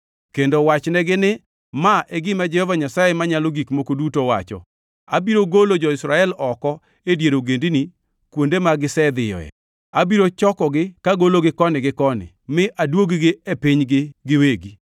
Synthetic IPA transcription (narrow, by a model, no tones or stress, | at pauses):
kendowat͡ʃnɛɡɪnɪ | maʔeɡɪmad͡ʒɛhovaɲasajemaɲaloɡikmokodutowa̰t͡ʃɔ̰ | a̰biɾoɡolod͡ʒɔɪsɾaɛlɔkɔ | edjeɾoɡendini | kwondemaɡɪsɛd̪ɪjɔ̰ɛ̰ | abiɾot͡ʃɔkɔɡɪkaɡoloɡɪkɔnɪɡɪkɔnɪ̰ | mɪʔadwoɡɡɪepɪɲɡɪɡɪweɡi